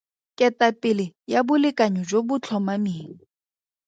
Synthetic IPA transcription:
kʼɛtapʼɪlɪjabʊlɪkʼaɲɔd͡ʒobʊt͡ɬʰɔmamiːŋ̩

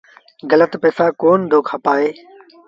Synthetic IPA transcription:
ɡələt̪peːfaːkoːnd̪ʱoːkʰaːpaːeː

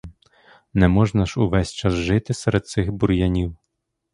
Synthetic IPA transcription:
nɛmɔʐnɐʃuʋɛsʲt͡ʃasʒɪt̪ɪsɛɾɛd̪̚t̪sɪxbuɾjanʲiw

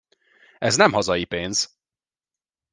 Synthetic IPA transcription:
ɛznɛmhɒzɒjipeːnz̥

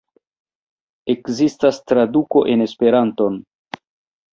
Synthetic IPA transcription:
e̞kzistastɾaduko̞ʔe̞ne̞spe̞ɾanto̞n

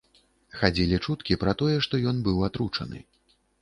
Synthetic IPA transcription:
xad͡zʲilʲit͡ʂut̪kʲipɾɐt̪ɔjɛʂt̪ɔjɔnbɨwat̪ɾut͡ʂɐ̰nɨ̰

